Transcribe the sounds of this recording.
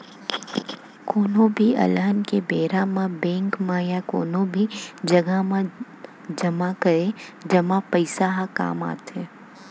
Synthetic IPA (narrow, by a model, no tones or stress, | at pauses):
koːnõbʱiɐ̰ləɦnkebeːɾãmãbɛ̃ːŋkmãjakoːnõbʱid͡ʒɐɡamã | d͡ʒɐmakɐɾed͡ʒɐmapəɪsaɦaka̰ːma̰ːt̪eː